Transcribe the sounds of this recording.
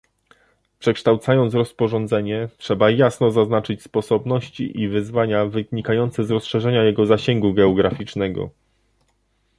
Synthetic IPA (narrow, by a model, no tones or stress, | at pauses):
pʂɛkʂt̪awt̪sajɔnt̪sɾɔspɔʐɔnd̪zɛɲɛtʂɛbajasnɔzaznat͡ʂɘt͡ɕspɔsɔbn̪ɔɕt͡ɕḭʔivɘzvaɲavɘɲikajɔnt̪sɛzɾɔsʂɛʐɛɲajɛɡɔzaɕɛŋɡuɡɛɔɡɾafʲit͡ʂnɛɡɔ̰